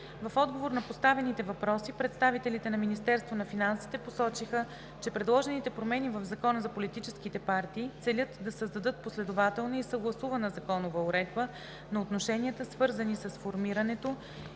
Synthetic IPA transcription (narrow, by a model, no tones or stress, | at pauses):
vɐfɔd̪ɡovoɾnɐpost̪avɛnit̪ɛvɐpɾɔsipɾɛt̪st̪avit̪ɛlit̪ɛnɐminist̪ɛɾst̪vonɐfinansi̥t̪ɛposɔt͡ʃixə | t͡ʃɛpɾɛd̪lˠɔʒɛnit̪ɛpɾomɛnivəvzɐkɔnəzɐpolit̪it͡ʃɛskit̪ɛpaɾt̪iːt̪sɛlʲɤt̪d̪ɐsəzd̪ɐd̪ɤt̪̚poslɛd̪ovat̪ɛlˠnəisəɡlˠɐsuvɐnəzɐkɔnovəoɾɛd̪̚bə | nɐot̪noʃɛniət̪əsvɤɾzənisəsfoɾmiɾənɛt̪o